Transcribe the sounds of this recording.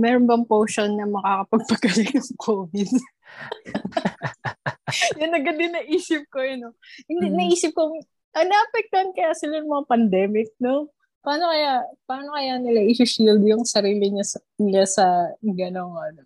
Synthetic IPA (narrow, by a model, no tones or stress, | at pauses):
mɛːɾonbɐŋpoːʃonɲɐmɐkaːkɐpɐɡ̚pɐɡɐlɪkɐŋkʰoːvɪd̪ | jʊnːɐɡɐd̪ɪnːɐʔiːsɪp̚kojʊnoɪnd̪ɪnɐʔiːsɪp̚koŋ | ʔɐŋnɐʔɐpɛk̚t̪ɐhɐnkɐjasɪlajʊŋmɐŋapɐnd̪ɛːmɪk̚no | paːnokɐjapaːnokɐjanɪlaʔɪsuʃild̪jʊŋsɐɾiːlɪɲasɐ | ɪlasɐɡɐno̞ŋʔɐno